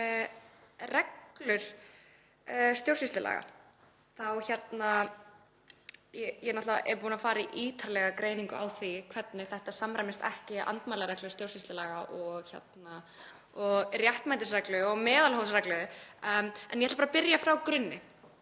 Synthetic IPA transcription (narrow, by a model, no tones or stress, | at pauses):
rɛklʏɾ̥ | st̪jowɾrsist̪ɪla̰ːɣa̰ | θawçɛt̪na | jɛjɛnɔht̪aa̰ʔɛɾpuːnafaːɾaiʔiːt̪ʰaɾlɛɣakɾeːjniŋkʏawθikʰvɛt̪nɪθɛht̪asamɾajmɪst̪ɛ̰hcɪʔa̰nt̪majlaɾɛklʏɾ̥st̪jowrsist̪lɪlaːɣaʔɔɣçɛ̰t̪na | ɔɣrjaht̪majt̪ɪsɾɛklʏɔɣmɛːðalhowsɾɛklʏðʏ | ɛnjɛt̪ːapːaɾapɪɾjafɾawkɾʏnːɪ